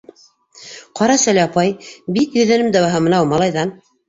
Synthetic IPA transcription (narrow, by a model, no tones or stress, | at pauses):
qɑɾɑsælɑpɑjbit̪jɵ̆ðænɘmd̪ɑwɑɦɤmɤ̆nɑwmɑlˠɑjðɑn